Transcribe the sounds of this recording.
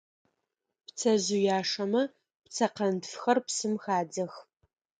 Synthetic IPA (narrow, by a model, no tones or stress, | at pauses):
pt͡sʰɐʑujaːʂɐmɐ | pt͡sʰɐqɐntfxɐrpsɨmxaːd͡zɐx